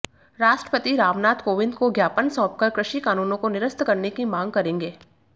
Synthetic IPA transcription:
ɾaːʃʈɾəpət̪iɾaːʋnaːt̪koːʋɪ̃nd̪koɡjaːpənsɔ̃ːp̚kɐɾkɾɪʃikaːnuːnõkonɪɾəst̪kɐɾnekimãːŋɡ̚kɐɾẽːŋɡeː

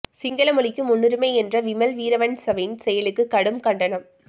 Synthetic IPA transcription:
sɪŋɡɐlɐmɯɭɪkːɯmʊnːɯɾɯmɐɪɛndrɐʋɪmɐlʋiːɾɐʋɐnsɐʋɪnsɛjɐlɯkːɯkːɐɽɯmkɐɳɖɐnɐm

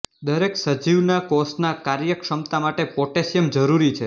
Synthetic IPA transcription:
d̪əɾeksəd͡ʒiʋnakɔsʈnakaɾjəkʃəmt̪amaʈepɔʈesjəmd͡ʒəɾuɾit͡ʃʰe

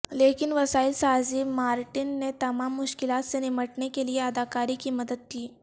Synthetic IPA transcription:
lekinʋəsaːilsazimaːɾʈinːet̪ɐmaːmːʊʃkilat̪seniməʈnekelieɐd̪akaɾiːkiːməd̪əd̪̚kiː

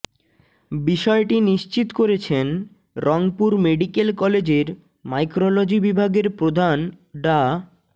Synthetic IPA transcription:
biʃɔeʈiniʃt͡ɕit̪koɾet͡ɕʰen | ɾɔŋpuɾmeɖikelkɔled͡ʑeɾ | majkɾolod͡ʑibibʱaɡeɾpɾod̪ʱanɖa

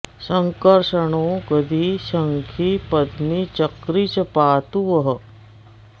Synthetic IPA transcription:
səŋkəɾʂəɳokəd̪ʱisəŋkʰipɐd̪mit͡ʃəkɾit͡ʃpaːt̪uʋəɦə

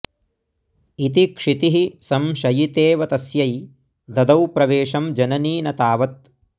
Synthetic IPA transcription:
it̪ikʂit̪iɦisɐmʃɐjit̪eːʋɐt̪ɐsjɐj | d̪ɐd̪ɐwpɾɐʋeːʂɐmd͡ʒɐnɐniːnɐt̪aːʋɐt̪̚

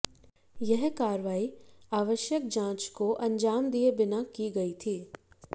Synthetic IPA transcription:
jɛɦkaːɾʋaːiaːʋəʃjəkd͡ʒãːt͡ʃkoʔɐ̃ɲd͡ʒaːmd̪iebɪnakiɡɐit̪ʰiː

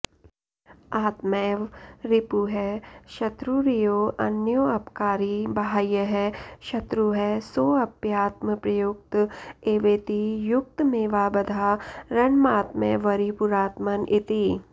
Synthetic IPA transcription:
aːt̪meːʋɾɪpuɦɛʃɐt̪ɾuɾijoːʔɐnjoːɐpkaːɾibɐɦaːjəɦɛʃɐt̪ɾuɦɛsoːɐpjaːt̪̚məpɾɐjʊk̚t̪eːʋeːt̪ijʊk̚t̪meːʋaːbɐd̪ʱaːɾɐnmaːt̪mḛʋɐɾipʊɾaːt̪mɐnʔɪt̪i

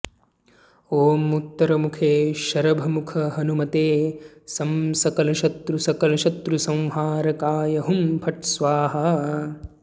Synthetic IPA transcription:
oːmut̪ːɐɾɐmukʰeːʃɐɾɐbʱɐmukʰɐɦɐnumɐt̪eːsɐmsɐkɐlɐʃɐt̪ɾusɐkɐlɐʃɐt̪ɾusɐ̃w̃ɦaːɾɐkaːjɐɦumpʰɐʈ̚sʋaːɦɐ

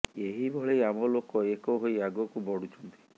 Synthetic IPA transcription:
eɦibʱɔɭejamɔlokɔekɔɦojaɡɔkubɔɽut͡ʃʰɔnt̪i̥

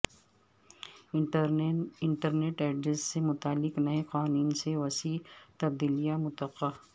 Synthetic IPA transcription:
ɪ̃ɳʈəɾneːʈɛːɖɾesːemʊt̪aːlːɪknɐeqaːnuːnseʋɐsiːt̪ɐb̚d̪iːlijamʊt̪ɐqːaː

